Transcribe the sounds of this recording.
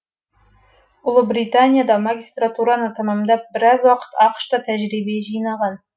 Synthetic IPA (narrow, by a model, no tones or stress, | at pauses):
ʊlˠəbrit̪anʲijad̪ɑmaɡʲist̪rat̪uɾɑnət̪ʰɑmɑmnd̪ɑp̚bɪɾɑzwɑqə̥t̪ɑqʃt̪ɑt̪ʰæʒɾibeʒijnɑʁɑn